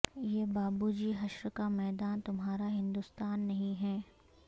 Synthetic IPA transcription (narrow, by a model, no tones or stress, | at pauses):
jeːbaːbud͡ʒiɦɐʃɾkamɛːd̪aːnt̪ʊmɦaːɾaɦɪ̃nd̪ust̪aːnːɐɦĩɦɛː